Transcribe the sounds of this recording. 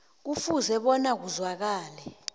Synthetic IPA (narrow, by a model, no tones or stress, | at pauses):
k̬ufuzɛɓɔnak̬uzwak̬aːlɛ